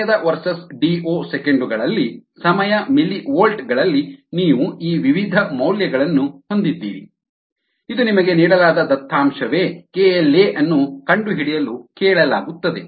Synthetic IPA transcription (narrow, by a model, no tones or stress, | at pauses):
ɐd̪ɐʋɐɾsɐsɖiːoːsekeɳɖuɡɐɭɐlːisɐmɐjɐmiliʋoːlʈɡɐɭɐlːiniːʋuʔiːʋiʋid̪ʱɐmɐwljɐɡɐɭɐnːuho̞nd̪id̪ːḭːɾi | id̪unimɐɡeniːɽɐlaːd̪ɐd̪ɐt̪ʰːaːmʃɐʋeːkeeleʔɐnːukɐɳɖuɦiɽijɐlukɛːɭɐla̰ːɡut̪ːɐd̪e